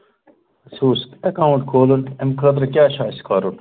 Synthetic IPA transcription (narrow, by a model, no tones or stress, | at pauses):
suːsɐkawɳʈkʰoːlunt̪emkɐd̪ɾɐkʲaːɕaːskaːɾun